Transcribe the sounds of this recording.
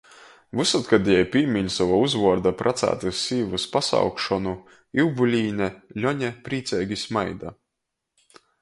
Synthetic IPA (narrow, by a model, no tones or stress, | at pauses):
vɨsat̪kad̪ijɛjpʲiːmʲiɲsavauzvuɔɾd̪apɾʔat̪sæ̰ːt̪ɨsʲːiːvɨspasa̰wkʃɔnu | iwbulʲiːnɛlʲɔɲɛpɾiːt̪sɛːɡʲismajd̪a